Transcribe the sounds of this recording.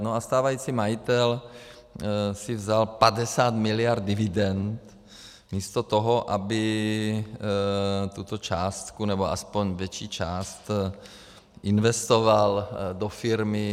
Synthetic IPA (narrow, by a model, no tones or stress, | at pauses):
noast̪aːvajiːt͡simajit̪ɛl | sɪvzalpadɛsaːt̪mɪlɪjaɾt̪̚dɪvɪdɛnt̪ | miːst̪ot̪oɦoʔabɪ | t̪ut̪ot͡ʃaːst̪kunɛboʔa̰spoɲvjɛt͡ʃiːt͡ʃaːst̪ | ʔɪnvɛst̪ovaldofɪɾmɪ